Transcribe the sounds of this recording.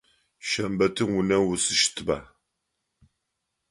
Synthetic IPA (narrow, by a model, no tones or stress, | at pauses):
ʃɐmbɐtʰɨwʊnɐwʊsɨʃtʰɨba̰ː